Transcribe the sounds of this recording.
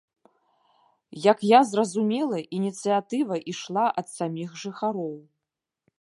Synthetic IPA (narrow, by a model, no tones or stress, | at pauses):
jɐkjazrɐzumʲɛlˠɐʔinʲit̪sɨjat̪ɨvɐʔiʂlˠaʔɐt̪samʲixʐɨxaɾɔw